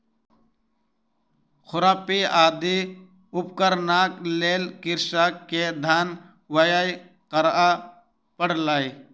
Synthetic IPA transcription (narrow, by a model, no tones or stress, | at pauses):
xʊɾaːpiaːd̪i | ʊp̚kəɾnaːkleːlkɪɾʃaːkːed̪ʱaːn | wəjaj | qəɾa | pəɽlaːi